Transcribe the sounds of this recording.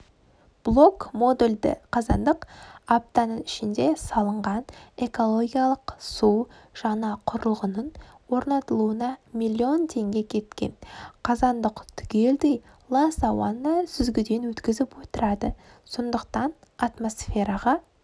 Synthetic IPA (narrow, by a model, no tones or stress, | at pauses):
b̥lˠo̞kmo̞d̪elʲd̪ɪ̰qʰɑzɑnd̪əqap̚t̪ɑnəɪʃɪnd̪e̞sɑlˠəɴʁɑne̞ko̞lˠo̞ɡʲijalˠəqsuwʒ̥ɑnɑqʰʊɾəlˠʁənənwo̞ɾnɑt̪əlˠuənɑmʲilʲːio̞nt̪ʰe̞ŋɡʲe̞kʲʰe̞t̪kʲe̞̰nqʰɑzɑnd̪əqt̪ʰʏ̥kʲe̞ld̪ej | lˠɑsɑwɑnəsʏzɡʲɪd̪e̞nwɵt̪kʲɪzɪpwot̪əɾɑd̪ə | so̞nd̪əqt̪ɑn | at̪mo̞sfe̞ɾɑʁɑ